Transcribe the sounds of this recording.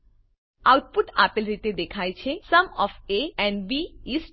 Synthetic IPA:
aːwt̪̚puʈaːpilɾit̪ed̪ekʰaːjt͡ʃʰesɐmɔːfeɛ̃nɖbiisʈ

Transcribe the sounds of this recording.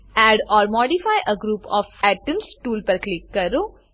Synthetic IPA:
ɛːɖɔːɾmɔːɖifaːjʔəɡɾuːpɔːfɛːʈə̃nsʈuːlpɐɾklɪkːɐɾoː

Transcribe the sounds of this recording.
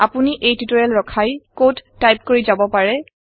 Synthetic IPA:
apuniʔejtutoɹɛlɹɔkʰajkotːajp̚koɹizabɔpaɹɛ

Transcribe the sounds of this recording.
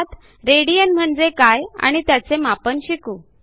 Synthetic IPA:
t̪ | ɾeɽijənm̤əɳd͡zekaja̰ɽ̃it̪jat͡semapənɕikuː

